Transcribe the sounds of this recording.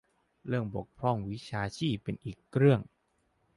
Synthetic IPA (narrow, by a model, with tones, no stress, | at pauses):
ɾɯ˥˩əŋbo˨˩k̚pʰɾɔ˥˩ŋwi˦˥t͡ɕʰaː˧t͡ɕʰiː˥˩pːe˧nʔiː˨˩kʰːɾɯ˥˩əŋ